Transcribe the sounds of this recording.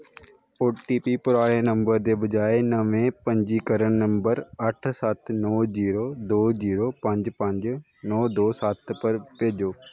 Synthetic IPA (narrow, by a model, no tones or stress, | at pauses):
oːʈiːpiːpʊɾaːɽeːnə̃mbəɾd̪eːbəd͡ʒaːenəʋẽːpə̃ɲd͡ʒiːkəɾəɳnə̃mbəɾəʈʰsət̪ʰnɔːziːɾoːd̪oːziːɾoːpə̃ɲd͡ʒpə̃ɲd͡ʒ | nɔːd̪oːsət̪ʰpəɾpeːd͡ʒoː